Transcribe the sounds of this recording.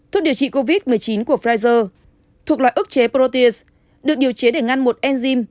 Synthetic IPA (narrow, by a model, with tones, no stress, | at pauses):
t̪ʰu˨˩ɗi˨˩əwt͡ɕḭ˧˨ko˧vi˦˥t̚mɨ˨˩əjt͡ɕi˨˦nku˧˩əfɾaː˧jzəː˧ | t̪ʰu˨˩ək̚la̰ː˧˨ʔɨ˦˥k̚t͡ɕe˨˦po˧t̪i˧s | ɗɨ˨˩ək̚ɗi˨˩əwt͡ɕe˨˦ɗe˧˩ŋa˧nmo˨˩t̚ʔɛ˧nzi˧m